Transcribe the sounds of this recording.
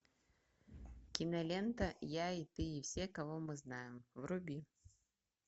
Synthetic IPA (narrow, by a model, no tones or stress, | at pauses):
kʲinɐlʲɛnt̪ɐjait̪ɨiwsʲɛkavɔmɨznajɪmvɾubʲi